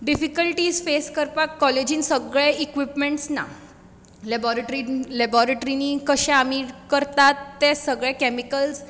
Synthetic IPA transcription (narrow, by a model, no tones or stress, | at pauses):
ɖifikəlʈiːzfeskəɾpakːɔled͡ʑĩːnsəɡɭɛ̃ikʋipmẽɳʈsna̰ | lebɔɾeʈɾilɛbɔɾeʈɾiniːkəɕɛ̃amikəɾt̪at̪ːesəɡɭɛ̃kɛmikəls